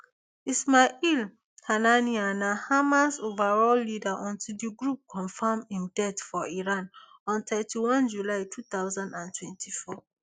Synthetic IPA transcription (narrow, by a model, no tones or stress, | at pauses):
ismail | kʰananianahamãnsovaɹɔlːidaʔɔ̃ntʰidiɡɹup̚kʰɔ̃nfamhĩmdɛtfɔiɹãn | ɔ̃nt̪ʰɛtʰiwɔ̃nd͡ʒulaɪtʰut̪aʊzãndãntʰwɛ̃ntʰifɔ